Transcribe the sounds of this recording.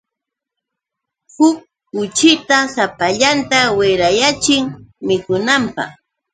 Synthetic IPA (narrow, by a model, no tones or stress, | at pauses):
hʊk̚ː | ʊt͡ʃɪt̪asapaʎant̪awɪɾajat͡ʃɪŋmɪkʊnampɑ̰χ